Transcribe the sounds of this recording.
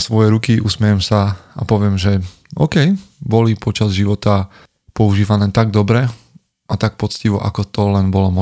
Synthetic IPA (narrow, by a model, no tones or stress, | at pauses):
sʋɔjɛɾukiʔusmɛjɛmsaapɔʋɪɛmʒɛ | ɔ̰kɛjbɔlipɔt͡ʃazʒiʋɔt̪a | pɔuʒiːʋanɛːt̪aɡd̪ɔbɾɛ | ʔat̪ak̚pɔt͡sciʋɔʔa̰kɔt̪ɔlɛnbɔlɔmɔ